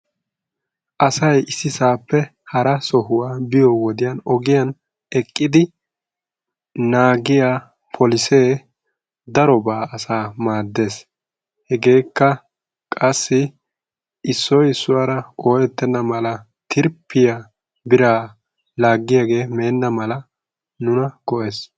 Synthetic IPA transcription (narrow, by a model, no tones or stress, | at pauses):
ʔɐsɐjʔɪsːɪsaːpːɛ | hɐɾɐsɔhʊwaːbɪjɔwɔd̪ɪjɐnɔɡɪjɐn | ɛkʼːɪd̪ɪ | naːɡɪjaː | pʰɔlɪse̞ː | d̪ɐɾɔbaːʔɐsaːmaːd̪ːe̞ːs | hɛɡe̞ːkːɐ | kʼɐsːɪ | ɪsːɔjɪsːʊwaːɾɐoːjɛt̪ːɛnːɐmɐlɐ | t̪ʰɪɾpːɪja | bɪɾaː | laːɡːɪjaɡe̞ːme̞ːnːɐmɐlɐ | nʊnɐɡ̥ɔʔe̞ːs